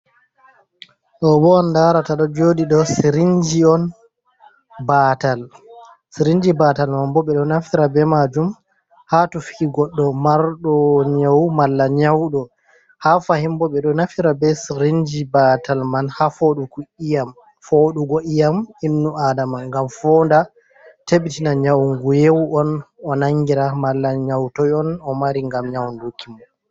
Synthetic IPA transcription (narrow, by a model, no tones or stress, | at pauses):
ɗɔbɔɔndaɾataɗɔd͡ʒoɗiɗɔsiɾiɲd͡ʒiɔn | baːtal | siɾiɲd͡ʒibatalmanbɔɓɛɗɔnafiɾabɛmad͡ʒum | hatufiɡɔɗːɔmaɾɗɔɲawmalːaɲawɗɔ | hafahimbɔɓɛɗɔnafiɾabɛsɾind͡ʒibatalmanhafoɗukuijam | foɗuɡɔʔijaminːuadamanŋɡamfɔnda | teɓitinaɲawŋɡujewɔnɔnaŋɡiɾamalːaɲawtɔjɔnɔmaɾiŋɡamɲawndukʰːimɔn